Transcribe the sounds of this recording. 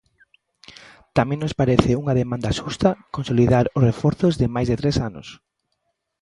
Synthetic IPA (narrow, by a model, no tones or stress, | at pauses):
t̪amẽŋnospaɾɛθɪuŋaðemãnd̪aʃust̪ɐkõnsoliðaɾʊsrefɔɾθʊzðɪmajzðet̪ɾesanʊ̰s